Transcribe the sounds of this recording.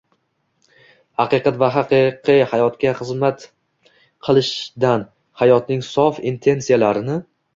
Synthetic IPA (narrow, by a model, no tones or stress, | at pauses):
hɑqɨqɑt̪vaɦɑqɨqʰɨhajɒt̪kʲaχɨzmat̪ | qʰɨlˠɪʃd̪an | hajɒt̪nɪŋsɒfint̪ʰe̞nsijalaɾɪnɪ